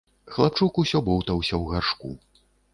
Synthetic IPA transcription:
xlˠap̚t͡ʂukusʲɔbɔwt̪ɐwsʲɐwɣarʂkṵ

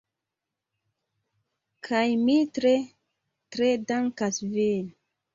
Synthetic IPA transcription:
kʰajmitɾe | tɾedaŋkasvel

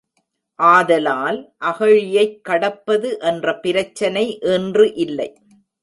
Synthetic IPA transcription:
ʔaːðɐlaːlʔɐɣɐɻɪjɐɪkːɐɽɐpːɐðɯʔɛndrɐpɪɾɐt͡ʃːɐnɐɪʔɛndrɯʔɪlːɐɪ

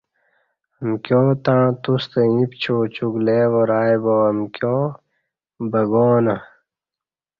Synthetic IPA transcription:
ɐmkjoːt̪ãːt̪ust̪eĩpt͡ɕʰoːt͡ɕuɡleːwoɾaːjboɐmkjoː | bɐɡoːnɐ

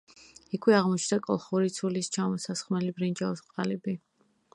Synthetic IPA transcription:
ikʰwɛaʁmɔt͡ʃʰd̪akʼɔ̰lˠχuɾit̪sʰulist͡ʃʰamɔsasχmɛlibɾind͡ʒaɔsqʼalɛbi

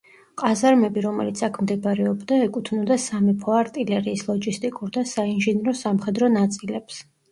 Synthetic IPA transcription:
qʼazaɾmɛbiɾɔmɛ̰lit̪sʰakʰmd̪ɛbaɾɛɔbd̪aɛkʼut̪ʰnɔd̪asamipʰɔaɾt̪ʼilɛɾiːslˠɔd͡ʒist̪ʼikʼuɾd̪asainʒiniɾɔsamχɛd̪ɾɔnat̪sʼilɛps

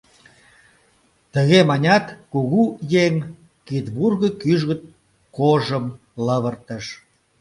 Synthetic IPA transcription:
t̪əɣemɑnʲɑt̪kuɣujeŋ | kit̪βurɣə̆kyʒɣə̆t̪ | koʒəm | ləβərt̪əʃ

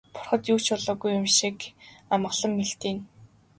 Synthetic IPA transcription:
pʊ̥rχə̆t̪juːt͡ɕʊɮɔːɣujːʊmʃikamə̆ɮə̆mːeɬt̪iːn

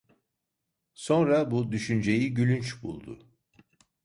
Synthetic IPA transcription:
so̞nɾabud̪yʃynd͡ʒe̞jiɟylʲynt͡ʃbṵlˠd̪ʊ̰

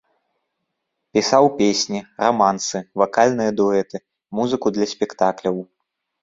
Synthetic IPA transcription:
pʲisawpʲesʲnʲiramansɨvakalʲnɨjɐd̪ɔɛt̪ɨ | muzɨkud̪lʲɐsʲpʲɛkt̪aklʲɐw

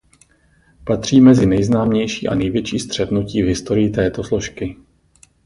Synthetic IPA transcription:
pat̪r̝̥iːmɛzɪnɛjznaːmɲɛjʃiːʔa̰nɛjvjɛt͡ʃiːst̪r̝̥ɛt̪nuciːvɦɪst̪o̞ɾɪjɪt̪ɛːt̪o̞slo̞ʃkɪ

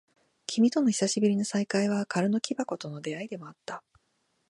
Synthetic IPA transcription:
kʲʰimʲit̪o̞no̞çi̥saɕibɯɾʲino̞saikaiβ̞akaɾɯ̟no̞kʲibako̞t̪o̞no̞d̪e̞aid̪e̞mo̞at̪ːa

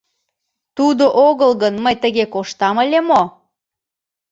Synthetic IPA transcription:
t̪ud̪oʔoɣəlɣənməjt̪əɣekoʃt̪ɑməlʲemo

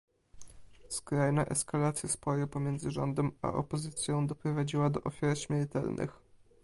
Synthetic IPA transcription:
skɾajnaʔɛskalat̪sʲjaspɔjɛpɔmʲjɛnd̪zɘʐɔnd̪ɛma̰ʔɔ̰pɔzɘt̪sʲjɔ̃w̃d̪ɔpɾɔvad͡ʑiwad̪ɔʔɔfʲjaɾɕmʲɛɾt̪ɛ̰lnʔɘ̰x

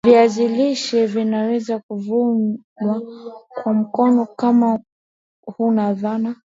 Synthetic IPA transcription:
viaziliʃɛvinawɛzakuvuŋɡwakwam̩kɔnɔkama | hunaðana

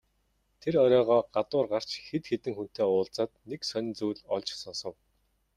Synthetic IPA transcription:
t̪ʰeɾœɾʲɔːʁɔːɢat̪ʊːrɢar̥t͡ɕxet̪xet̪ɘ̆ŋxun̥t̪ʰeːʊːɮt͡saːt̪neksœn̆ʲt͡sujɮɔɮt͡ɕsɔnsɞ̆w

